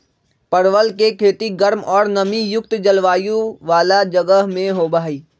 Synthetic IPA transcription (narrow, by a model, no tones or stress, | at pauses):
pəɾʋəlkekʰeːt̪iɡəɾmɔːɾnəmijʊk̚t̪d͡ʒəlʋaːjũʋaːlad͡ʒəɡəɦmẽɦoːbaːɦiː